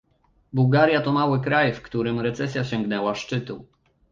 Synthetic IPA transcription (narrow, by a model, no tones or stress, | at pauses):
buwɡaɾʲjat̪ɔmawɘkɾajfkt̪uɾɘmɾɛt̪sɛsʲjaɕɛŋɡnɛwaʂt͡ʂɘt̪u